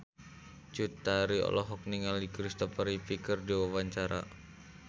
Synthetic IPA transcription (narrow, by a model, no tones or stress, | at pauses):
t͡ʃut̪aɾiɔ̰lɔɦɔk̚niŋalikɾist̪ɔpəɾipikərdiwawaɲt͡ʃaɾa̰